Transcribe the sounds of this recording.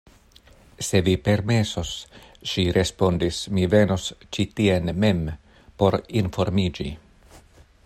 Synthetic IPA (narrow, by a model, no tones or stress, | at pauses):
se̞vipe̞ɾme̞sos | ʃiɾʔe̞spo̞ndismive̞nost͡ʃitie̞nme̞m | po̞ɾinfo̞ɾmid͡ʒi